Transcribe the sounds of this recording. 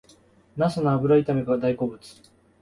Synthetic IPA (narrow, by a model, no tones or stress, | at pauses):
nasanaːbɯ̟ɾait̪ameɡad̪aiko̞ːbɯ̟t͡sɨ̥